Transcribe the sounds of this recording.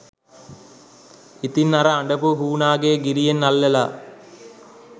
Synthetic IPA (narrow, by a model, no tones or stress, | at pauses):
it̪inːɐɾɐaɳɖɐpuɦuːnaːɡeːɡiɾijenːalːela